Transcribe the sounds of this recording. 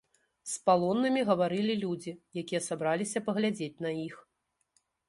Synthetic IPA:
spalˠɔnːɐmʲiɣɐvaɾɨlʲilʲud͡zʲijakʲijɐsabɾalʲisʲɐpɐɣlʲad͡zʲet͡sʲnɐix

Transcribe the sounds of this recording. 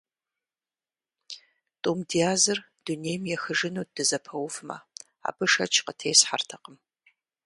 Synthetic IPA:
tʼoːmdiaːzɨr | d̥unejmjɛxɨʐɪnuːd̥ɨzɐpʰɐwʊfmɐ̰ | a̰ːbɨʂɐt͡ʃʰqətʰeːsħartʰɐqəm

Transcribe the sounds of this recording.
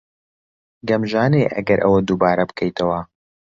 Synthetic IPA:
ɡɐmʒaːneːʔɐ̰ɡɐɾʔɐ̰wɐd̪uːbaːɾɐbɨkʰɐjt̪ʰɐwɐ

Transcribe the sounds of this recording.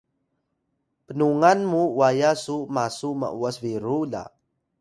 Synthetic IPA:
pənuŋanmuwajasumasuma̰ʔuasviɾula̰

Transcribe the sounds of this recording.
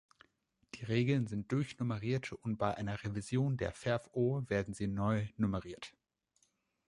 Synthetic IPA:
d̥iːʁeːɡl̩nzɪnt̚d̥ʊɐçnʊməʁiːɐtʊnt̚b̥aɪʔaɪnɐʁevizjoːndeːɐfɛɐfʔoːveːɐdn̩ziːnɔʏnʊməʁiːɐt

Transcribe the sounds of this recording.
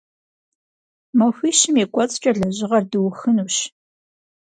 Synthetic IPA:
mɐxʷiːʃɪmeːkʷʼɔt͡sʼt͡ʃʼɐɮɐʑɪʁɐrdɨwxɨnuːɕ

